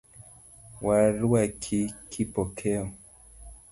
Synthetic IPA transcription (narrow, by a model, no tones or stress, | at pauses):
waɾuakʰikʰipɔkʰɛɔ